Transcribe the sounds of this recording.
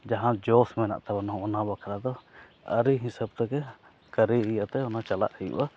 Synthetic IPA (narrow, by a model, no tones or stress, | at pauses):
d͡ʒaɦãd͡ʒɔsmɛna̰ʔt̪abanɔ̃ɔnabakʰaɾad̪ɔ | ə̰ɾiɦĩsəb̚t̪ɔkɛ | kəɾiijat̪ɛɔnat͡ʃala̰ʔhɛjṵʔa